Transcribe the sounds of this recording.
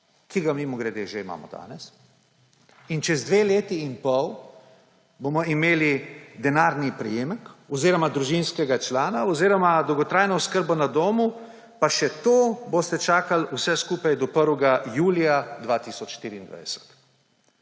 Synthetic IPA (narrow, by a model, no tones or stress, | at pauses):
kiɡamimɔɡɾɛd̪eʒeima̰ːmɔ̰d̪a̰ːnɛs | int͡ʃɛzd̪ʋeːleːt̪iːmpɔw | boːmɔimeːlid̪ɛnaːɾnipɾɛjeːmɛkɔziːɾɔmad̪ɾuʒinskɛɡat͡ʃlaːnaɔziːɾɔmad̪ɔwɡɔt̪ɾaːjnɔɔskəɾbɔnad̪oːmu | paʃɛt̪oːbost̪ɛt͡ʃaːkalusɛskuːpajd̪ɔpəɾʋɛɡajuːlijad̪ʋaːt̪isɔt͡ʃʃt̪iːɾiːnd̪ʋa̰jsɛ̥t̪